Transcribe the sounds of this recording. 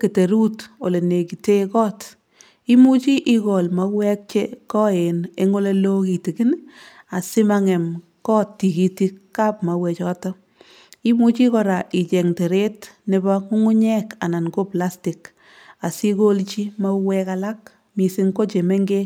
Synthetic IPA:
ke˨te˨ɾu˦to˨le˨ne˨ki˨te˦kɔː˦t | i˦mu˦t͡ʃi˦ʔi˦kɔ˨lma˨wɛ˦k̚t͡ʃe˦kɔ˦e˨ne˦ŋo˦le˦lo˦ki˨ti˨ki˦n | a˨sɪ˦ma˦ŋɛ˨m | kɔ˦tːi˨ki˨ti˦kːa˦pma˨wɛ˨t͡ʃɔː˦tɔ˦ | i˦mu˦t͡ʃi˦kɔ˨ɾa˨ʔɪ˨t͡ʃɛ˨ŋte˨ɾe˦tne˦ba˦ku˦ŋu˦ɲɛ˦ka˨na˨nko˦pla˦stɪ˨k | a˨si˦ko˦lt͡ʃi˦ma˦wɛka˦la˦k̚ | mi˨si˦ŋko˦t͡ʃe˨me˦ŋɡe˦

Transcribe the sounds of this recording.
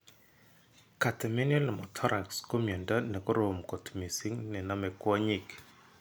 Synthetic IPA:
ka˨tɛ˨mɛ˦njɔ˦lmɔ˨tʰɔ˦ɾa˨ksko˦mjɔ˨nda˦nɛ˨ko˦ɾo˨mkɔ˨tmi˨si˦ŋnɛ˨na˦mɛ˨kwɔ˦ɲi˦˨k

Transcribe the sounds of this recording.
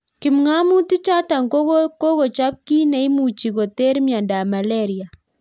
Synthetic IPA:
ki˨mŋa˦mu˦ti˦t͡ʃa˦ta˨ŋko˦ko˦ɣo˨t͡ʃa˦p̚ki˦na˨˦i˦mu˨t͡ʃi˨ɣo˨te˦ɾmja˨nda˨ma˨le˦˨ɾi˨a˨

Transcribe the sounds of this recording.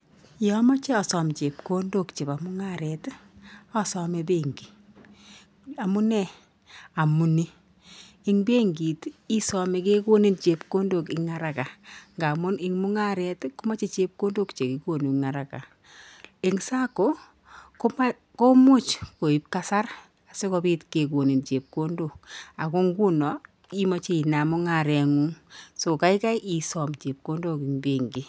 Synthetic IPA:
jɔ˦ma˦t͡ʃɛ˦ɔ˨sɔ˨mt͡ʃe˨pko˦ndo˦kt͡ʃe˨pa˨mʊ˦ŋa˦˨ɾɛ˨tɔ˦sɔ˦mɛ˦be˦˨ŋɡi˨ | a˨mʊ˦nɛ˦ | a˨mu˨ni˦ | ɪ˦ŋbe˦ŋɡi˨ti˦sɔ˨mɛ˨ke˦ko˦ni˦nt͡ʃe˨pko˦ndo˨kɪ˦ŋa˨ɾa˨ka˨ŋɡa˨mʊ˦nɪ˨ŋmʊ˦ŋa˦ɾɛ˨tko˦ma˦t͡ʃe˦t͡ʃe˦p̚ko˦ndo˦kt͡ʃe˨ki˨˦ko˦˨ni˨ŋa˨ɾa˨ka̰˨ | e˨ŋsa˦ko˦ | ko˦ma | ko˦mu˦t͡ʃko˨i˦p̚ka˦sa˦r | a˨se˦kɔ˧bi˦tke˨k̬o˨ni˨nt͡ʃe˨p̚ko˦ndo˨ka˨ko˦ŋɡu˦nɔ˨ | i˦ma˨˦t͡ʃe˦˨i˨na˨mʊ˦ŋa˨ɾɛ˨ŋu˦ŋso˨ka˦i˦ka˦jʔi˨sɔ˨mt͡ʃe˨p̚ko˦ndo˦ki˨ŋbe˨ŋɡi˨

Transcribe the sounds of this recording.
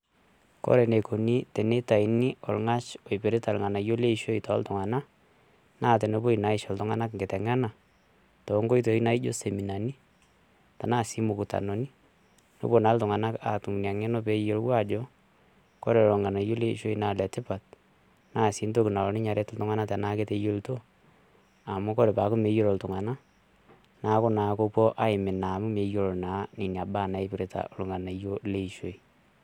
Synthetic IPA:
kɔ̰˦ɾɛ˨ne˨ko˨ni˦tɛ˨ne˦ta˨i˨ni˦ɔ˨lŋa˦t͡ʃɔ˨ipe˨ɾe˦ta˨lŋa˨na˨jo˦le˦i˦ʃo˦i˨tɔ̰˨˦ltʊ˨ŋa˨na˦ | naː˦˨t̬ɛ˨no˦bo˦i˨na˨˦ɪ˦ʃɔ˨ltʊ˦ŋa˦na˦kŋɡɪ˨tɛ˨ŋa˦na˨ | tɔ˨˦ŋɡo˦i˦to˨i˦na˦i˦d͡ʒo˦se˨mi˨na˨ni˦ | ta˨naː˦si˨˦mu˨ku˨ta̰˨no˨ni˦ | no̰˦bo˨na˨˦ltʊ˨ŋa˨na˦ka˨tu˨m˨nja˨ŋɛ˦no˦pe˦o˨˦lwa˦˨d͡ʒo˦ | ko˦ɾe˨olo˨ŋɡa˨na˨jo˦le˦ḭ˨ʃo˦i˦na˨lɛ˨tɪ˦pa˨t̚ | na˦˨si˦nto˦ki˨na˨lo˨˦nɪ˦ɲa˨ɾe˦tltʊ˦ŋa˦na˦tɛ˨na˦ke˦te˦jo˦lto˦ | a˨mu˦ko˦ɾe˨pa˨˦ku˦me˦jo˦ɾo˨ltʊ˨ŋa˨na˦ | na˦ko˦na˨ko˦po˦ʔa˦ɪ˨mɪ˨na˨mu˦me˨jo˨ɾo˨na˨˦ni˨ni˨a˨ba˦˨na˨e˦piɾe˨tʰa̰˨o˨lo˨ŋɡa˨na˨jo˦le˦i˨ʃo˨i˨

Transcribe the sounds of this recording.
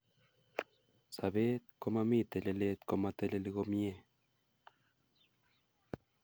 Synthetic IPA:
sa˨βe˦t̪̚ko˦ma˦mi˦t̪e˨le˨le˦t̪ko˦ma˧t̪e˦le˦li˦ɡo˦mje˦

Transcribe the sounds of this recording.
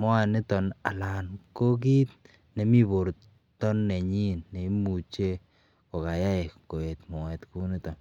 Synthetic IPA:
mɔ˦a˨nɪ˦t̪ɔ˨na̰˨la˨nko˦k̬i˦t̪̚ | nɛ˨mi˦bo˨ɾ | t̪ɔ˦nːɛ˨ɲi˦nːe˨i˦mu˨t͡ʃe˦ | ko˨ka˨ja˦e˨ko˨e˨t̪mɔ˨wɛ˨t̪ku˦ni˦tɔ˨n

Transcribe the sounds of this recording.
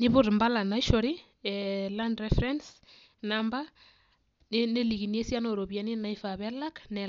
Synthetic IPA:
ni˦βu˦ɾi˨mba˦la˨nai˦ʃɔɾi˦ | landɾɛfɾɛns | namba˦ | nne˦li˨ɣi˨nie˦sja˦no˨ɾo˨βja˨ni˦na˨ifaβɛla˦knɛ˨

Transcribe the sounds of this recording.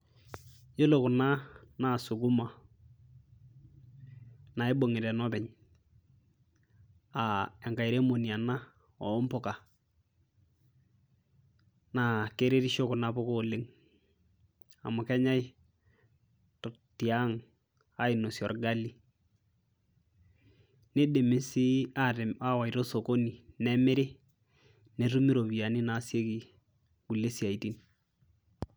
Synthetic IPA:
jo˦lo˨kʊ˨na˦na˨sʊ˨ɡʊ˦ma˨ | na˨e˦bo˨ŋɪ˨ɾɛ˨nɔ˦bɛ˨ɲ | a˨ɛ˨ŋka˨ɪ˨ɾe˦mo˨ni˨a˨na˦ | ɔ˨˦mpʊ˦ka˨ | na˨ke˦ɾe˦ɾi˦ʃo˦kʊ˨na˦pʊ˦koː˦˨lɪ˦ŋ | a̰˨mʊ˨kɛ˦ɲa˦j | tɔ˨ | ti˨a˦ŋ | a˨˦ɪ˨no˨sjɔ˨rɡa˦li˨ | ne˦de˨mɪ˨˦si˦a˦ɾa˦wa˨i˨ɾo˦so˨ko˦ni˨nɛ˦mɪ˦ɾɪ˦ | ne˨ɾu˦mi˦ɾo˨βi˨a˨nɪ˦na˨˦sje˦ki˨ | ɡ̥u˨le˦si˨a˨i˨ti˦n

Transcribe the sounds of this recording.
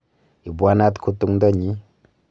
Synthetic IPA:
i˨ba˦na˦t̪kʰu˧tu˧˦ŋda˦ɲi˨˦

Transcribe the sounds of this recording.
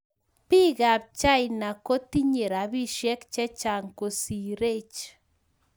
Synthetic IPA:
pɪ˦ɡa˨b̚t͡ʃa˦jna˨ko˦ti˦ɲe˨ɾa˨bi˦ʃjɛ˦kt͡ʃɛ˦t͡ʃa˨ŋko˨si˨ɾe˦t͡ʃ

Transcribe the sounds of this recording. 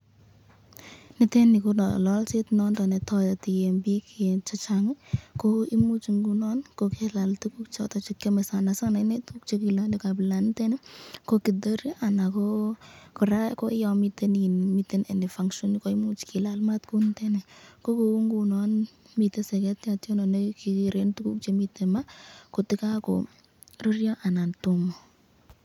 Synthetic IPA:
nɪ˦te˦nɪ˨konɔlɔ˦lt͡ʃe˦tnɔ˦ndɔ˨nɛ˨tɔ˧jɔ˨ti˨je˨mbi˦kie˨t͡ʃɔ˦t͡ʃaŋɪkoi˦mu˦t͡ʃŋɡunɔ˦nkokɛla˨ltu˦ku˦kt͡ʃɔ̰˨tɔ˨t͡ʃi˦kjɔ˦mɛ˨sa˨na˨sa˦na˨ɪ˦ne˦tu˦k̚t͡ʃo˦ki˨landika˨bɪ˨la˨nɪtɛ˦nɛ˦ko˦ki˨do˦ɾi˦ʔa˨na˨kokɔ˨ɾa˦ko˦jɔ˧mi˦teninmite˦ne˨ne˨faŋʃɔ˦ni˦ko˦i˦mu˦t͡ʃki˨lalma˦tku˦ntɛne˨ko˦ko˨u˦ŋɡu˨nɔn | mi˨te˦sɛ˨kɛ˦tjatjɔ˦nɔ˨ne˦kikiɾe˦ntu˦ku˦k̚t͡ʃemite˨ma˦ko˨tɪ˦ka˦ko̰˨ | ru˦rjɔ˦ʔa˨na˨ntumo˨

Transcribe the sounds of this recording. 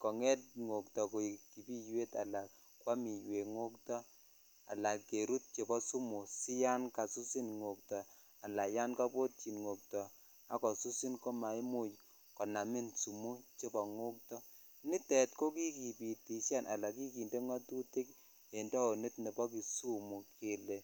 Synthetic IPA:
kɔ˨ŋɛ˦t̚ŋo˨ktɔ˨ko˨i˨ki˨pi˦jwe˦ta̰˨la˨k | kːwa˦mi˨jwe˨ŋo˦ktɔ˦ | a̰˨la˨kːe˨ɾu˦t̚t͡ʃe˨bɔ˦su˦mu˨si˦ja˦nka˨su˦si˦nŋo˨k̚tɔ˨ | a˨la˨ja˦nka˦po˦t̚t͡ʃi˨nŋo˨k̚tɔ˨ | a˨kɔ˨su˦si˦nko˦ma˨i˦mu˦˨j | kɔ˨na˨mi˦nsu˨mu˦t͡ʃe˦bɔ˨ŋo˦k̚tɔ˦ | ni˦tɛ˨t̚ko˦ki˦ki˨pi˨ti˨ʃa˦˨nʔa̰˨la˨k̬i˦ki˨nde˦ŋa˦tu˦ti˦k | e˨ndɔ˦o˨ni˦tne˨pɔ˦k̬i˨su˦mu˨kʰe˨le˨

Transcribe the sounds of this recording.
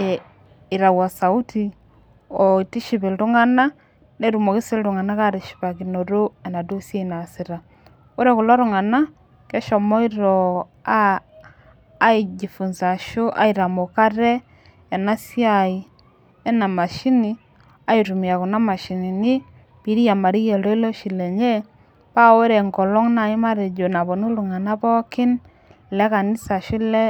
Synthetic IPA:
i˨ɾa˨wa˨sa˨u˦ti˦ | ɔi˨ti˦ʃi˨βe˨lɾu˦ŋa˦na˦ | nɛɾumɔ˨ki˦si˦lɾu˨ŋa˨na˦ka˦ɾi˨ʃi̥˨βa˨k̬ino˨ɾu˦ɛ˨na˨du˦sia˦inasi˨ɾa˨ | o˦ɾɛku˨la˦ɾuŋa˨na˦ | kɛ˦ʃɔ˨mɔ˦iɾɔ | a | id͡ʒi˨fu˨nza˨ʃu˦ʔa̰˦i˨ɾa˨mo˨ka˦ɾɛ˦ | ja˨na˦sja˦˨i˨ | ɛ˦na˨ma˨ʃi˦ni˨ | a˨˦i˨tu˨mi˨a˨ku˨na˦ma˨ʃi˨ni˨nɪ˦ | pi˨˦ɾi˦ja˨ma˨ɾi˦jɛ˨lɔ˦i˦lo˦ʃi˨lɛ˨ɲe˦ | pa˦we˦ɾe˨ŋkɔ˨lɔ˦ŋna˨i˦ma˦ɾe˨d͡ʒo˨na˨bɔ˨nu˦ɾu˨ŋa˨na˦pɔ˦kɪ˦n | lɛ˦ka˨nɪ˦sa˨ʃi˦lɛ˦

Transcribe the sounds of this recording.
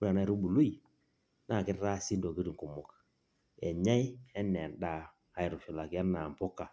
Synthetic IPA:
u˦a˨na˦i˨ɾu˦bu˨lu˦i˨ | na˦˨ki˦ɾɾa˦˨si˦ndo˨ki˦ɾi˨ŋ˨ku˨mɔ˨k | ḛ˨ɲa˦i˦ɛ˦nːɛ˨nda˦˨ | a˨˦ji˨ɾu˨fi˨la˨ka˦nːa˨m˨po˦kːa˨

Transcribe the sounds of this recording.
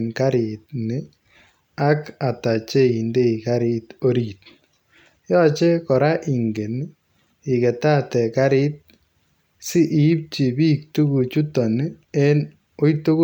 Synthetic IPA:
nka˦ɾɪ˨t̚nɪ˦ | a˦ka˨ta˨t͡ʃe˦i˨nde˦i˨ka˦ɾɪ˦to˦ɾi˨t̚ | jɔ˦t͡ʃe˦kɔ˨ɾa˦ʔi˨ŋɡe˨n˦ | ɪ˨kɛ˨ta˦tɛ˨ka˦ɾɪ˦t̚ | sɪ˦ʔɪ˨˦p̚t͡ʃi˨bi˦k̚tu˦ku˨t͡ʃu˦tɔ˨nɪ˦e˦n | o˦ito˦k

